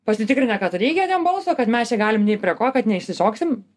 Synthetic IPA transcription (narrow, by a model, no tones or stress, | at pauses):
pɐsʲɪt̪ʲɪkɾʲɪnʲɛkɐt̪ɾʲɛɪɡʲɛt̪ʲɛmbɐlˠsoːkɐt̪mʲɛst͡ʃʲɛɡɑːlʲɪmnʲɛɪpʲɾʲiɛkoːkɐt̪nʲɛɪʃʲsʲɪsoːksʲɪm